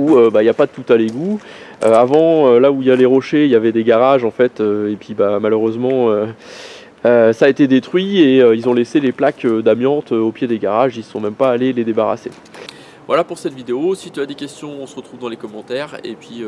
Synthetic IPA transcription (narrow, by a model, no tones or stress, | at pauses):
uøbailjapad̪ət̪ut̪aleɡu | øavɑ̃ølauiljaleʁɔʃeiljavɛd̪eɡaʁaʒɑ̃fɛt̪øepɥibamaløʁøzmɑ̃ø | øsaːet̪ed̪et̪χɥieøilzɔ̃leseleplakød̪amjɑ̃t̪øopjed̪eɡaʁaʒilsɔ̃mɛmpaːleled̪ebaʁa̰se | vwa̰lapuʁsɛt̪vid̪eosit̪yad̪ekʲɛst̪jɔ̃ɔ̃səʁət̪χuvd̪ɑ̃lekɔmɑ̃t̪ɛːʁḛpɥi